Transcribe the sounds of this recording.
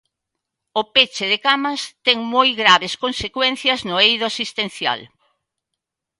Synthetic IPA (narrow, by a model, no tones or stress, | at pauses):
ʊpet͡ʃɪðekamɐst̪ɛŋmojɣɾaβeskonsekwɛn̟θjɐznʊejðʊasist̪en̟θja̰l